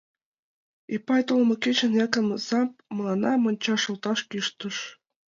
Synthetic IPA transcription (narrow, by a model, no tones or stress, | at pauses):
ipɑjt̪olˠmɤ̆kʲet͡ɕɘ̆njɑkɤ̆msɑp̚mɤ̆lˠɑnɑmɤ̆nʲt͡ɕɑʂɤ̆lˠt̪ɑʃkiʃt̪ɤ̆ʃ